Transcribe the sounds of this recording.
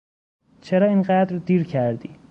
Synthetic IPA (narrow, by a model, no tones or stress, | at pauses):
t͡ʃʰeɾɒːinɢæd̪ɾd̪iːɾkʰæɾd̪ḭː